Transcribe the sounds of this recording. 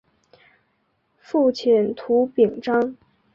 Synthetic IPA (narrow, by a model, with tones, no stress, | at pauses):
fu˥˩t͡ɕʰɛ˨˩nt̪ʰu˧˥pi˨˩ŋʈ͡ʂɑ˥ŋ